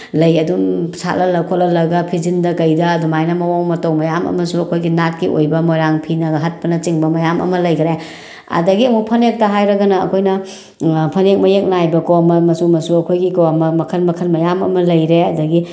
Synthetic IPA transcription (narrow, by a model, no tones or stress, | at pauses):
lɐjɐdumsa̰lɐlɐkʰolɐlɐɡɐpʰizindɐkɐjdɐːdumajnɐmɐwaŋmɐtɐwmɐjamɐ̰mɐsuɐkʰojɡinat̚kiʔo̰jbɐmojɾaŋpʰinɐɡɐɦɐt̚pɐnɐt͡ʃiŋbɐmɐjamʔɐ̰mɐlɐjkʰɾe | ɐ̰dɐɡiɐmupʰɐnek̚tɐɦajɾɐɡɐnɐ̰ːkʰojnɐ | pʰɐnek̚mɐjek̚najbɐkomɐmɐsumɐsuɐkʰojɡikomɐmɐkʰɐnmɐkʰɐnmɐjamɐmɐlɐjɾeɐdɐɡi